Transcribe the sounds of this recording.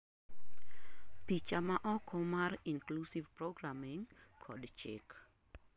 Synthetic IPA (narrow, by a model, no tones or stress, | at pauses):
pit͡ʃamaʔɔkʰɔmaɾinklusivpɾɔɡɾamiŋ | kʰɔdt͡ʃɪ̰k